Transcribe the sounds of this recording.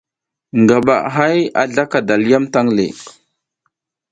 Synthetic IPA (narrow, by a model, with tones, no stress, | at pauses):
ŋɡa˨ɓa̰˨ʔɦa˦ja̰˨ɮa˦ka˨da˨lja˦mta˦ŋlḛ˨